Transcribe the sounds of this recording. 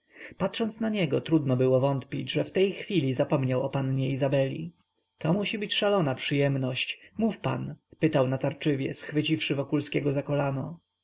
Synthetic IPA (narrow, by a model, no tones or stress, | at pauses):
patʂɔnt̪snaɲɛɡɔt̪ɾud̪nɔbɘwɔvɔnt̪pʲid͡ʑʐɛft̪ɛjxfʲilʲizapɔmɲawɔpanɲɛizabɛlʲḭ | t̪ɔmuɕibɘt͡ɕʂalɔnapʂɘjɛmnɔɕt͡ɕmufpa̰npɘt̪awnat̪aɾt͡ʂɘvʲjɛ̰sxfɘt͡ɕifʂɘvɔkulskʲɛɡɔzakɔlanɔ